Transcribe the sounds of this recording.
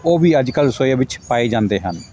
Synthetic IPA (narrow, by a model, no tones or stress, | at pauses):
oːbiːəd͡ʒkəlsojabɪt͡ʃpaːed͡ʒãːnd̪eːɦən